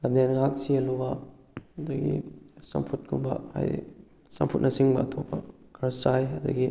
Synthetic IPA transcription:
lɐmdenŋak̚siɐlubɐ | ɐdɐɡḭsɐ̰mpʰut̚kʰumbɐ̰ha̰j̰ | sɐ̰mpʰut̚nʔɐsiŋbɐːtʰopːɐkʰɐɾsajɐdɐ̰ɡi

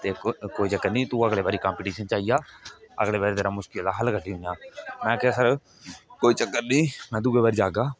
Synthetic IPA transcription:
t̪eːkoːit͡ʃəkːəɾnĩːt̪uəɡɽeːbaːɾiːkãːmpɪːʈiːʃənt͡ʃaːɦijaːə̰ɡɽeːbaːɾit̪eɾãːmʊʃkɪld̪aɦəlɡʰʱəʈiːɦʊ̃jãːnãːkɪsəɾ | koːiːt͡ʃəkːəɾnĩːmɛ̃ːd̪uːɡeːbaːɾid͡ʒaːɡaː

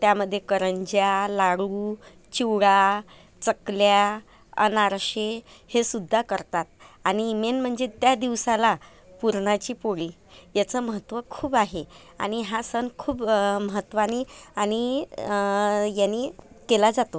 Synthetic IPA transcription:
t̪jaməd̪ʱːjekəɾəɲd͡ʑjalaɽuː | t͡ɕiwɭa | t͡səklja | ə̰naɾɕehesud̪ʱːakəɾt̪at̪̚aɽ̃iːmenm̤əɳd͡zet̪jad̪iʋsala | puɾɳat͡ɕiːpoɭiː | jat͡səməɦət̪ʋəkʰuːbaɦe | a̰ɽ̃iɦasənkʰuːbməɦət̪ːʋaniañi | jani | kelad͡zat̪o

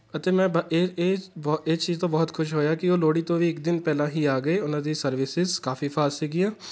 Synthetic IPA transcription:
ət̪eːmɛ̃ːbeːeːbeːt͡ʃiːzt̪õːbɔːt̪kʰʊʃɦoːjaːkɪoːloːɽiːt̪õːʋiːɪkd̪ɪnpɛːlãːɦiːaːɡəeːʊnãːd̪iːsəɾʋɪsɪzkaːfʰiːfʰaːssiːɡiːaː

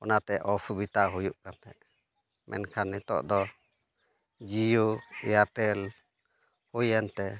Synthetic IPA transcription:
ɔnat̪ɛʔʔɔsubit̪aɦujuʔkant̪ɛʔ | mʔɛ̰nkʰanːɛt̪ɔ̰ʔd̪ɔ | d͡ʒijoɛaʈɛl | hujɛnt̪ɛ

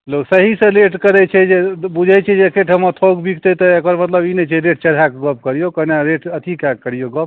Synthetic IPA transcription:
loksəɦisə̃leʈkəɾɛt͡ʃʰɛd͡ʒebud͡ʒʱɛjt͡ʃʰɛd͡ʒekʰeʈɦəmət̪ʰokbikʰt̪et̪ɔekəɾmət̪ləbinɛt͡ʃʰɛɾeʈ̚t͡ʃəɽ̤akɡəp̚kəɾijokənaɾeʈət̪ʰikakːəɾijoɡəp̚

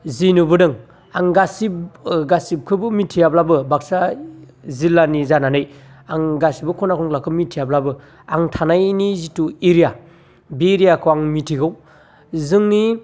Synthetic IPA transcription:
zinubɯdɯŋ | aŋɡasibɡasip̚kʰɯbɯmitʰijablabɯbak̚sa | zilanizananɯj | aŋɡasibɯkʰɔnakʰɔŋlakʰɯmitʰijablabɯ | aŋtʰanajnizituiɾija | biɾijakʰɯwaŋmitʰiɡɯw | zɯŋni

